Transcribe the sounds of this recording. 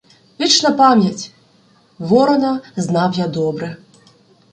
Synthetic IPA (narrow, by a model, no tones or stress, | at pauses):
vʲit͡ʂnɐpamʲjɐt͡sʲ | vɔɾɐnɐznawjad̪ɔbɾɨ